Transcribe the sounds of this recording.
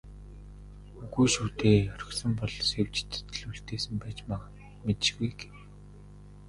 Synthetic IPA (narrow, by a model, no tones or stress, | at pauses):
uɣujʃuːt̪eːœɾʲɪ̆sə̆mpɔɮsewt͡ɕt̪ʰt̪̆ɮuɬt̪eːsɘ̆mpæːt͡ɕma | met̪ʃɣujɡe̥w